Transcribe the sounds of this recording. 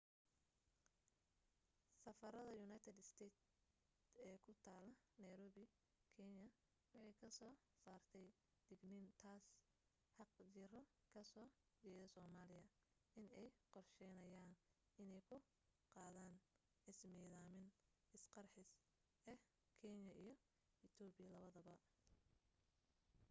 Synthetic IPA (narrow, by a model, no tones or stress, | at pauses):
sɐfɐɾɐðɐjʊnaːjt̪ʰɛd̪ɪst̪ʰɛt̪ | ɛːkʰʊt̪ʰaːlɐnɐjɾɔːβɪ | kʰɛnɐ | wɑħɑjkʰɐsɔː | saːrt̪ʰɛj | d̪̥ɪɡnɪnt̪ʰaːs | ħɑqt͡ʃɪrɔkʰɐsɔː | d͡ʒɛːðɐsɔːmaːlɪjɐ | ʔɪnɛjqɔrʃɛjnɐjaːn | ɪnɛjkʰʊ | qɑːðaːn | ɪsmiːðaːmɪnɪsqɑrħɪs | ɛ | kʰɛnɐʔijɞ | ɪt̪ʰɔːbɪjɐlɐβɐðɐβɐ